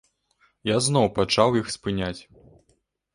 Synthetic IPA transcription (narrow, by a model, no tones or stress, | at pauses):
jazn̪ɔwpat͡ʂawjixspɨnʲat͡sʲ